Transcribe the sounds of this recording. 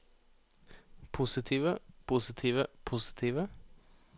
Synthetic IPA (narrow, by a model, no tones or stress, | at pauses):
pʰusɪt̪ʰiːʋəpʰusɪt̪ʰiːʋəpʰusɪ̥t̪ʰiːʋə